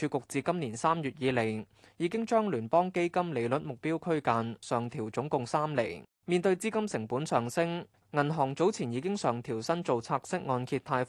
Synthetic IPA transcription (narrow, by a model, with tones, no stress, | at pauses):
yː˨˧kʊ˨k̚t͡siː˨kɐ˥mniː˨˩nsaː˥mjyː˨˩t̚jiː˨˧le˨˩j | jiː˨˧kɪ˥ŋt͡ʃœː˥ŋlyː˨˩npɔː˥ŋke˥jkɐ˥mle˨˧jlɵ˨˥t̚mʊ˨k̚piː˥wkʰɵ˥ɥkaː˧nsœː˨˩ŋt̪ʰiː˨˩wt͡sʊ˨˥ŋkʊ˨ŋsaː˥mle˨˩j | miː˨nt̪ɵ˧ɥt͡siː˥kɐ˥msɪ˨˩ŋpuː˨˥nsœː˨˩ŋsɪ˥ŋ | ŋɐ˨˩nɦɔː˨˩ŋt͡so˨˥wt͡sʰiː˨˩njiː˨˧k̬ɪ˥ŋsœː˨ŋt̪ʰiː˨˩wsɐ˥nt͡so˨wt͡sʰaː˧k̚sɪ˥k̚ŋɔː˧nkʰiː˧t̪ʰaː˧j